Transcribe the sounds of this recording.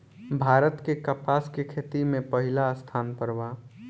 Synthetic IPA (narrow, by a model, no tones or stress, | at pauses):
bʱaɾət̪kekəpaskekʰet̪imẽpəɦilaəst̪ʰaːnpəɾʋa